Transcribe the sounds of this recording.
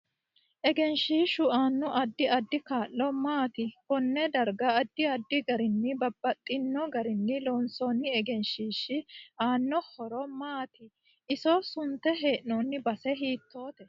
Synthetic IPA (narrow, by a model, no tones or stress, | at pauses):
ʔɛɡɛnʃiːʃʊaːnːɔʔɐd̪ːɪɐd̪ːɪkaːlːɔmaːt̪ɪkɔnːɛd̪ɐɾɡɐːd̪ːɪɐd̪ːɪɡɐɾɪnːɪbɐbːɐt̪ʼːɪnːɔɡɐɾɪnːɪloːnsɔːnːɪɛɡɛnʃiːʃːɪaːnːɔhɔɾɔmaːt̪ɪ | ɪsosʊnt̪ːɛɦe̞ːʔnonːɪbɐsɛɦiːt̪ːo̞ːt̪ɛ